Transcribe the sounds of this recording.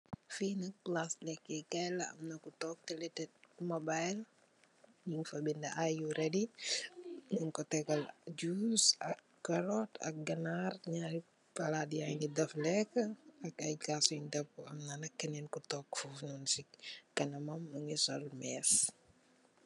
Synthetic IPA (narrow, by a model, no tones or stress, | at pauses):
fiːnɐk̚plaslɛkːɛkɛjlɐɐ̰mnɐkutɔk̚tɛlɛtɛt̚mɔbajl | jiŋfɐbindɐʔajuɾɛdi | nunkɔtɛkɔld͡ʒuːsɐkːɐɾɔtɐ̰k̚ɡɐnarɲaɾi | pɐladijajnidɐflɛkːəɐkɐjkasɔndɐp̚uɐmnanɐkːɛnɛnkutɔkfufnunsikɐnɐmɐmːuŋisɔlmɛːs